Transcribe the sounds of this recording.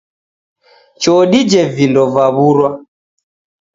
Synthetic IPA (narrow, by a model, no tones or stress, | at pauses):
t͡ʃɔɗid͡ʒɛvindɔvaβuɾwa